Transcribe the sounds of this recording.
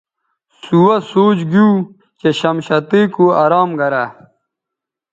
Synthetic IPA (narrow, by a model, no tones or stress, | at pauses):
suwɐsoːt͡ɕɡuː | t͡ɕeɕɐmɕɐt̪eːkuɐɾaːmɡɐɾa